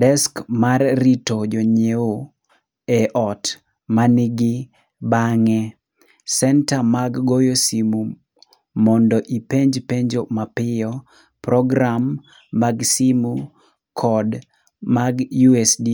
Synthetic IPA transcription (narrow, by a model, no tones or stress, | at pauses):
dɛskmarːitod͡ʒoɲeo | ɛʔɔt | manɪɡɪ | baŋɛ | sɛntamaɡːojosimu | mɔndɔʔipeɲd͡ʒpeɲd͡ʒomapɪjɔ | pɾɔɡɾamː | aɡsimu | kʰɔd | maɡjuɛsdi